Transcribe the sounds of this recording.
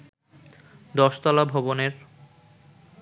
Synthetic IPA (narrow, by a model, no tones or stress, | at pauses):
d̪ɔʃt̪ɔlabʱɔboneɾ